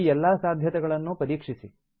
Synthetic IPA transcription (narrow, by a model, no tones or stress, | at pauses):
ɛlːaːsaːd̪ʱjɐt̪ɛɡɐɭɐnːupɐɾiːkʂisi